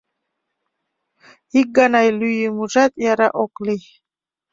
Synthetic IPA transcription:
ik̚ɡanajlyjimuʒat̪ʼjaɾaʔokʼli

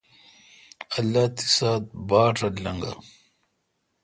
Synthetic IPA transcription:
ɐlːaːt̪i̥saːt̪̚baːʈʰɐllɐŋɡa̰

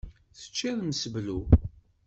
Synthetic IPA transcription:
θə̥t͡ʃːæðməsəvlu

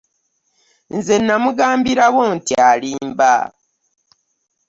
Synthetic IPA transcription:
nze̞nːamuɡaːmbiɾawontialiːmba̰

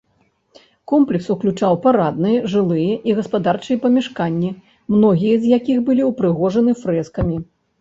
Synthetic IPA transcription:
kɔmplʲɛksuklʲut͡ʂawpaɾad̪̚nɨjɐʐɨlˠɨjɛʔiɣɐspad̪art͡ʂɨjɛpɐmʲɛʂkanʲːi | mnɔɣʲijɐzjakʲixbɨlʲiwpɾɨɣɔʐɐnɨfɾɛskɐmʲi

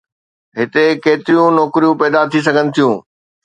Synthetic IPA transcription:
ɦɪt̪ekeːt̪ɪɾijũnɔːkɪɾijũpɛːd̪at̪ʰis̬ɐɡʱənɪ̆t̪ʰijũː

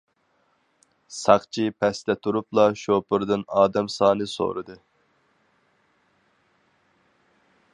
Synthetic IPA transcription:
sɑqt͡ʃʰipʰɛst̪ʰɛt̪ʰuɾuplˠɑʃopʰɨɾd̪ɨnɑːd̪ɛmsɑːnɨso̰ːɾɨd̪ɨ

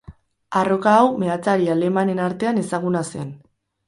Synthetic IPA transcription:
aro̞kaːwme̞at͡saɾiale̞mane̞naɾt̪e̞ane̞saɣ̞unase̞n

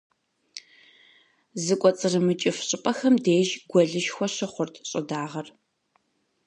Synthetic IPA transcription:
zɨkʷʼɔt͡sʼɨrɨmɨt͡ʃʼɪfɕʼɪpʼɐxɐmdeːʒɡʷɔɮɨʃxʷɔɕɪχʷʊrtʰɕʼɪdaːʁɐr

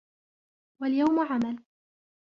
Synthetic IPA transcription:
waljawmʊʕamal

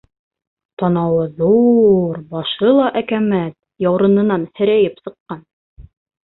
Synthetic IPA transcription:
t̪ɑnɑwɤðuɾbɑʃɤlˠɑʔækæmæt̪̚ | jɑwɾɤ̆nɤ̆nɑnhɘ̆ɾæjɘpsɤ̆qːɑn

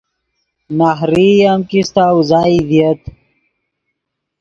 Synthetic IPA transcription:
naɦɾijamkist̪awzaːid̪iət̪

